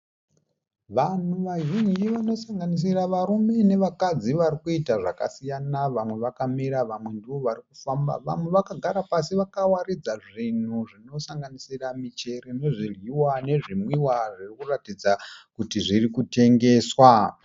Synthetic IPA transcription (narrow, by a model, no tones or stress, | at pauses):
ʋan̤uʋaʒuɲiʋano̞saŋɡanis̬iraʋaɾume̞ne̞ʋakad͡ziʋaɾikuitaʐaka̰sijanaʋamwe̞ʋakamiɾaʋamwe̞ndiʋo̞ʋarikufamba̰ʋa̰mwe̞ʋakaɡʱaɾapasiʋakawaɾid͡zaʐin̤uʐino̞saŋɡanisiramit͡ʃeɾeno̞ʐirwiwane̞ʐimwiwaʐirikuratid͡zakutiʐirikute̞ŋɡe̞ːswa